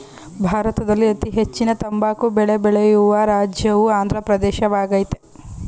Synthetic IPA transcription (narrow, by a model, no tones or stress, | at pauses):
bʱaːɾɐt̪ɐd̪ɐlːiɐt̪iɦet͡ʃːinɐt̪ɐmbaːkubɛɭebɛɭejuʋɐɾaːd͡ʒjɐʋuaːnd̪ʱɾɐpɾɐd̪ɛːʃɐʋaːɡɐjt̪e